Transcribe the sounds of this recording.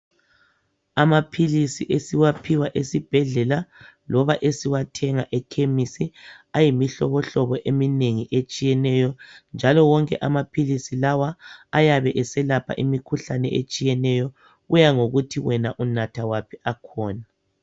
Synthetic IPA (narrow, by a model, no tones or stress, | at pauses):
amapʰilisiʔesiwapʰiwaʔesib̥ʱɛɮɛlalɔβaʔesiwatʰɛŋaʔɛkʰemisiajimiɬɔβɔɬɔβɔʔemineŋiʔet͡ʃʼijɛnɛjɔnd͡ʒʱalɔwɔŋkʼɛʔamapʰilisilawaːjaβɛʔɛsɛlapʰa̰ʔimikʰuɬanɛ̰ʔḛt͡ʃʼijɛnɛjɔ | ɣujaŋoɣutʰiwɛnaʔunatʰawapʰiakʰɔːna